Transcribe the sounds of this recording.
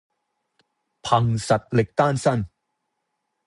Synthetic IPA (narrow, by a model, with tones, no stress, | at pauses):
pʰa˧ŋsa˨˩t̪̚le˨˩k̚t̪aː˥˩nsa˥˩n